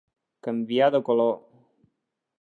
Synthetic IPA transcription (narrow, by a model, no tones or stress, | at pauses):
kəmbiaðəkolo